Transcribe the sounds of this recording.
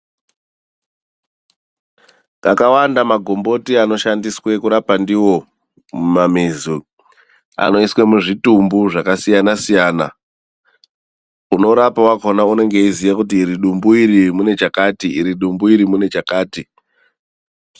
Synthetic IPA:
kakawandamaɡʱo̞mbo̞tiano̞ʃandiswe̞kuɾapandiwo̞ | mumamizu | a̰no̞iswe̞muʐitumbuʐakasijanasijaːna̰ | uno̞ɾapawakonaune̞ŋɡe̞izijakutiːɾiɗumbuiɾimune̞t͡ʃakaːtiiɾiɗumbuiɾimune̞t͡ʃakaːti

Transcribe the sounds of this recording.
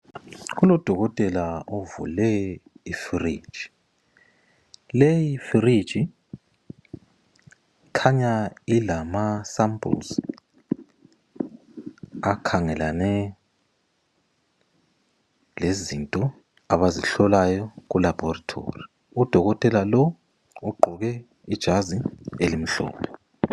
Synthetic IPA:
ɣulɔd̥ʱɔɣɔtʼɛlaovṵlɛifiri̥ʒ̥ʱi̥ | lejifiri̥ʒ̥ʱi | kʰaɲailamasampʼṵls | akʰaŋɛlanɛ | lezintʼɔ | aβaziɬɔlajɔɣulab̥ʱɔratʰo̰ːri | ud̥ʱɔɣɔtʼɛlalɔ | uɡ͡ǃʱɔɣɛ | id̥ʒ̥ʱazielim̩ɬɔ̰ːpʰɛ

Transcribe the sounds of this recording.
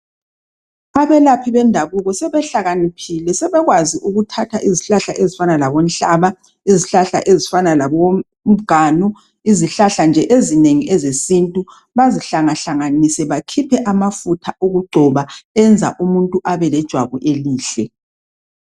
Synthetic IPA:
aβɛlapʰiβɛndʱaβuɣɔsɛβɛɬaɣanipʰilɛsɛβɛɣwaziʔuɣutʰatʰaʔiziɬaɬaʔezifanalaβon̩ɬʼaːβa | iziɬaɬa̰ʔezifanalaβo | m̩ɡ̥ʱaːnɔ | iziɬaɬand͡ʒʱɛʔezineŋiʔɛzesintʼu | βaziɬaŋaɬaŋanisɛβakʰipʰɛʔamafutʰaʔoɣuɡ͡ǃʱɔβaɛnd͡zʱa̰ʔumuntʼuʔaβɛlɛd̥ʒ̥ʱwaβɔ̰ʔeliːɬɛ

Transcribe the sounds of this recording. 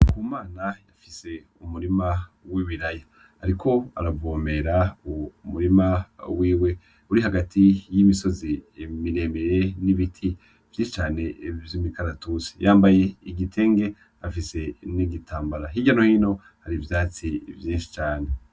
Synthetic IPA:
kuːmaːnajafise̞ | umuɾimawiβiɾaja | aɾikʰo̞a̰ɾabɡoːme̞ɾaumuɾimawiːwe̞ | uɾiɦaɡatʰijimiso̞zimiɾe̞ːmeɾe̞niβitʰi | v̥jiːʃit͡ʃaːne̞vjimikaɾatuse̥jʔaːmbaje̞iɡitʰe̞ːŋɡe̞ | afise̞niɡitʰaːmbaɾaɦiɟano̞hino̞ | haɾivjaːt͡sivjĩːnʃi̥t͡ʃaːne̞

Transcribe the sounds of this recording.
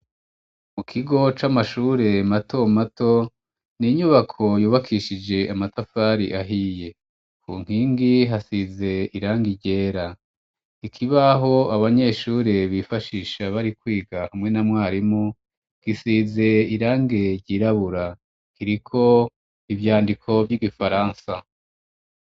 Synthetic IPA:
mukʰiɡo̞t͡ʃamaʃuːɾe̞matʰo̞mato̞ | niɲuβakʰo̞juːβakʰiʃid͡ʒe̞ʔamatafaɾiʔaɦije̞ | kṵːŋ̥hiːŋɡiɦasize̞iɾaːŋɡiɾɟe̞ːɾa | ikʰiβaɦo̞aβaɲe̞ːʃuːɾeβifaʃiːʃaβaɾikwiːɡahamŋe̞namwaːɾimu | ɡ̥isize̞iɾaːŋɡe̞ɾɟiːɾaβuɾa | kiɾikʰo̞ | ivjaːndikʰo̞vjiɡifaɾaːnsa

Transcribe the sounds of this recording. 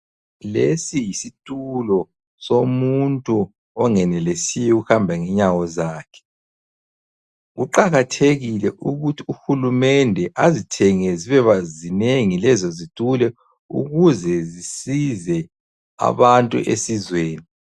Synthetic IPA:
lesijisitʼulɔ | somuntʼu | ɔŋɛnɛlesijɛɣuhambʱaŋɛɲawɔzaːkʰɛ̥ | ɣuǃaɣatʰeɣilɛʔuɣutʰiuxulumɛndʱɛʔazitʰɛŋɛziβɛβazineŋilɛzɔzitʼulɛ | ṵɣuzɛzisizɛ | a̰βantʼṵʔḛsizweːni

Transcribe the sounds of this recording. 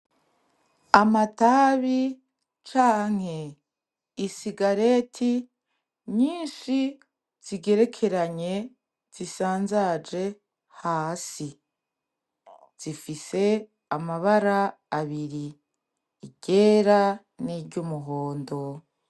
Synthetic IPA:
amataːβi | t͡ʃaːŋ̥he̞ | isiɡaɾe̞tʰi | ɲiːnʃi | z̥iɡe̞ɾe̞kʰe̞ɾaɲe̞ | z̥isaːnzad͡ʒe̞ | haːsi | z̥ifise̞ | amaβaɾaː | βiɾiː | ɟ̥e̞ɾa | niɾɟumuɦoːndo̞

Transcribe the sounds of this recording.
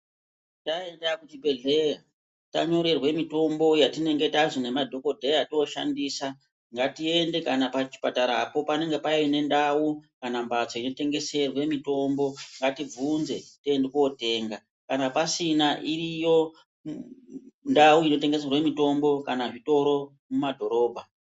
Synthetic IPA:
tae̞ndakutibʱe̞ɮe̞ja | ta̰ɲo̞ɾe̞rwe̞mito̞mbo̞jatine̞ŋɡe̞taʐine̞madʱo̞ko̞dʱejatooʃa̰ndiːsa | ŋɡatie̞nde̞kanapat͡ʃi̥pataɾaːpo̞pane̞ŋɡe̞paine̞ndawukanambat͡so̞ino̞te̞ŋɡe̞se̞rwemito̞mbo̞ŋɡatib͡vunze̞tiendekuote̞ːŋɡa | kanapasinaʔirijo̞ | ndawuino̞te̞ŋɡe̞se̞rwemito̞mbo̞kanaʐito̞ɾo̞ | mumadʱo̞ɾo̞ːbʱa

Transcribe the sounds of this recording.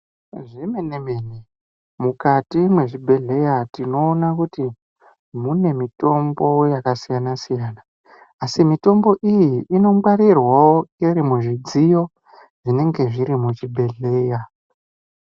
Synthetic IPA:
ʐimenemini | mukatimweʐibʱe̞ɮe̞jatino̞ːnakuti | mune̞mito̞mbo̞jakasijanasijaːnaː | simito̞mbo̞ʔijiʔːno̞mwaɾirwawoirimuʐid͡zijo̞ | ʐ̥ine̞ŋɡe̞ʐiɾimut͡ʃibʱe̞ɮe̞ːja

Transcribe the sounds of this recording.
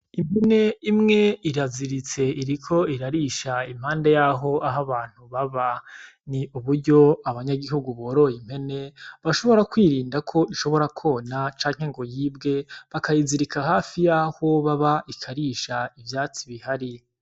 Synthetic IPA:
im̥he̞ne̞imŋe̞iɾaziɾit͡se̞iɾikʰo̞iɾaɾiʃaim̥aːndejaɦo̞aɦaβaːn̥huβaβa | niʔuβuɾɟo̞aβaɲaɡiɦuɡuβoːɾo̞jim̥he̞ne̞βaʃo̞βo̞ɾakwiːɾiːndakʰo̞iʃo̞βo̞ɾakʰo̞nat͡ʃaːɲ̥heŋɡo̞jiːbɡe̞βakajiziɾikʰahaːfijaːho̞βaβaʔikʰaɾiʃaivjaːt͡siβihaɾi

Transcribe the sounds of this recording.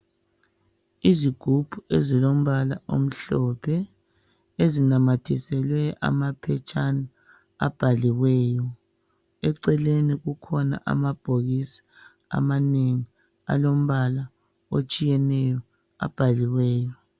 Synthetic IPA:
iziɡ̥ʱub̥ʱuezilom̩βala̰ʔom̩ɬɔpʰɛ | ezinamatʰisɛlwɛʔa̰mapʰɛt͡ʃʼʰana | a̰b̥ʱaliwɛːjɔ | ɛǀɛleniɣukʰɔna̰ʔa̰mab̥ʱoɣisi̥ | a̰maneŋi | a̰lom̩βala | ot͡ʃʼijɛnɛjɔ | a̰b̥ʱaliwɛːjɔ

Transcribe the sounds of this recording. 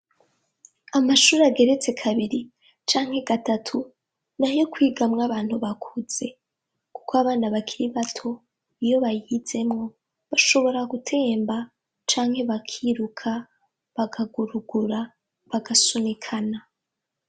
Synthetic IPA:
amaʃuːɾeaɡe̞ɾe̞t͡se̞kʰaβiɾi | t͡ʃaːŋhe̞ɡatatʰu | najo̞kwiːɡamŋaβaːnhuβakʰuz̥e̞ | ku̥koaβaːnaβakʰiɾiβatʰo̞ | ijo̞βajize̞mŋo̞ | βaʃo̞βo̞ɾaɡutʰe̞ːmba | t͡ʃaːŋhe̞βakʰiːɾukʰa | βaɡaɡuɾuɡuɾa | βaɡasunikʰana

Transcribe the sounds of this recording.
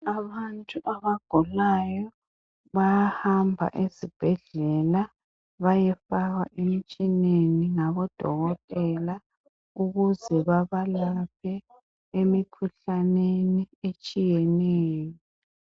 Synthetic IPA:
aβantʼuʔaβaɡ̥ʱulajɔ | βajahambʱa̰ʔezib̥ʱɛɮɛla | βajɛfaɣa̰ʔemit͡ʃʼineniŋaβɔd̥ʱɔ̰ɣɔtʼɛla | uɣuzɛβaβalapʰɛ | emikʰuɬaneniet͡ʃʼijɛnɛːjɔ

